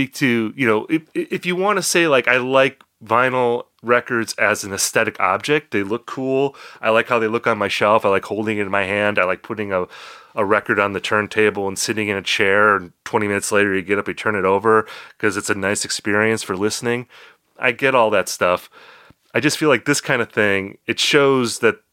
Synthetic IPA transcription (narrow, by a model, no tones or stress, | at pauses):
spik̚tʰɨjɨnoʊʔɪʔɨfjɨwɑ̃nɨseɪlaɪkaɪlaɪk | vãɪ̃nl̩ˠ | ɹɛkə˞dzɨzn̩ɨsθɛɾɨkʰɑ̰b̚d͡ʒɛk̚t̪̚ðeɪlʊkʰulˠʔaɪlaɪkhaʊðeɪlʊkn̩maɪʃɛlˠfaɪlaɪkhoʊlˠdɪ̃ŋɨɾɨ̃nmaɪhæ̃ndaɪlaɪk̚pʰʊɾɪ̃ŋəəɹɛkə˞ɾn̩ðɨtʰɜ̃˞ntʰeɪbl̩ˠə̃nsɪɾɪ̃ŋɨ̃nɨt͡ʃʰɛɹɨ̃ntʰw̥ɛ̃ɾ̃imɪ̃nɨtsleɪɾə˞jɨɡɛɾʌpɨtʰɜ̃˞nɨɾoʊvə˞kʰʌzɨtsɨnaɪsɨkspɪɹiɨ̃nsfə˞lɪsnɪ̃ŋ | ʔa̰ɪɡɛɾɔlˠðɨtstʌf | aɪd͡ʒʌstfilaɪk̚ðɪskʰãɪ̃ndɨ̥θɪ̃ŋɨtʃoʊzðɨt̚